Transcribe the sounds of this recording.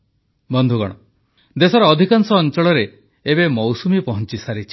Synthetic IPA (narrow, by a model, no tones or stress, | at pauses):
bɔnd̪ʱuɡɔ̰ɽ̃ɔ | d̪esɔɾɔːd̪ʱikansɔːnt͡ʃɔɭɔɾeː | bemɔwsumipɔɦɔnt͡ʃisaɾit͡ʃʰi̥